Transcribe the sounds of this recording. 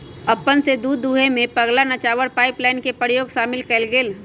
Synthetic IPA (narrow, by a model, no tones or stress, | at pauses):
ɐpːənsed̪uːd̪ːuːɦemẽpəɡlanət͡ʃaːʋəɾpaːɪplaːɪnkepəɾjoːɡʃaːmɪlkəlɡeːl